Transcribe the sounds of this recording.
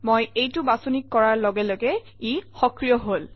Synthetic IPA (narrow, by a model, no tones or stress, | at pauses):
mojejtʊbasunikːɔɹaɹlɔɡɛloɡɛ | ixɔkɹijɔɦol